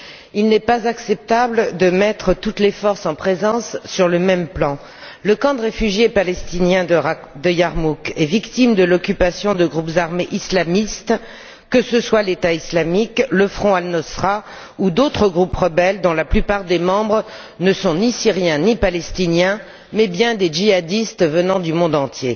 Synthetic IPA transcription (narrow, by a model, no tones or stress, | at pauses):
ilnɛpazaksɛp̚t̪abld̪əmɛt̪χət̪ut̪lefɔʁsɑ̃pχezɑ̃sːyʁləmɛmplɑ̃ | ləkɑ̃d̪əʁefyʒjepalɛst̪injɛ̃ | d̪əjaʁmukɛvikt̪imd̪əlɔkʲypasjɔ̃d̪əɡʁupzaʁmeʔislamist̪ | kːəsəswalet̪aislamikləfχɔ̃alnɔsχa | ud̪ot̪χəɡʁupʁəbɛld̪ɔ̃laplypaʁd̪emɑ̃bʁ | nəsɔ̃nisiʁjɛ̃nipalɛst̪injɛ̃ | mɛbjɛ̃d̪eʒiad̪ist̪vənɑ̃d̪ymɔ̃d̪ɑ̃t̪je